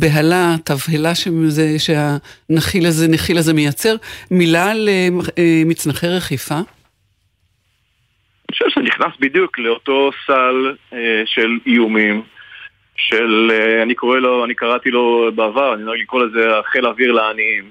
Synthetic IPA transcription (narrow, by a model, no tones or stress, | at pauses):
beɦalat̪avhelaʃezeʃeanaχilazenaχilazemejat͡se̞ʁmilaleemit͡snaχeʁeχifa | aniʃevʃeniχnasbid̪jukleoto̞saleʃelijumim | ʃeleanikoʁeloanikaʁat̪ilobeavaʁaniaɡlikolezeaχelaviʁleaniim